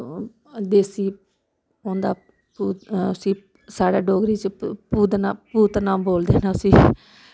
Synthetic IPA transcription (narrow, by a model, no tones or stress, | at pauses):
d̪eːsiː | õːnd̪aː | puːʊsĩː | saːɽaːɖɔːɡɾiːt͡ʃpuːd̪naːpuːt̪nãːboːld̪eːnaʊsĩː